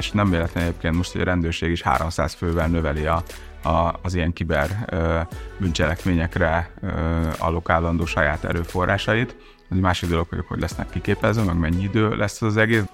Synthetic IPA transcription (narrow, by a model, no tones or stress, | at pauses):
ʃnɛmveːlɛt̪ɛnɛɟeːp̚keːnt̪mo̞ʃt̪hoɟɒ̰ɾɛnd̪øːrʃeːɡiʃha̰ːɾo̞msa̰ːsføːvɛlnøvɛliɒː | zijɛŋkibɛr | bynt͡ʃɛlɛkmeːɲɛkrɛ | ɒ̰lo̞kaːlːɒnd̪oːʃɒjaːt̪ɛ̰ɾøːfo̞rːʔaːʃɒjit̪ | ɛɟmaːʃiɡd̪o̞lo̞kʋɒɟokhoɟlɛsnɛ̰kːikeːpɛzøːmɛɡmɛɲːiid̪øːlʔɛsːɛzɒzɛɡeːs